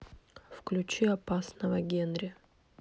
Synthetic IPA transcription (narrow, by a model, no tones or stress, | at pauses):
fklʲʉt͡ɕiɐpasnəvəɡʲenɾʲɪ